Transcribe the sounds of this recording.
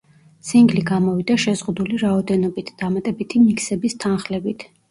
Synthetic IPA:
t̪sʰʼiŋɡliɡamɔvid̪aʃɛzʁud̪uliɾaɔd̪ɛnɔbit̪ʰd̪̥amat̪ʼɛbit̪ʰimikʰsɛbist̪ʰanχlɛbit̪ʰ

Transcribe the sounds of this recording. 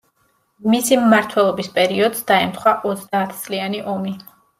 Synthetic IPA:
misimːaɾt̪ʰwɛlˠɔbispʼɛɾiɔd̪zd̪aɛmt̪ʰχwaʔɔt̪sʰd̪aːt̪ʰt̪sʼlianiʔɔmi

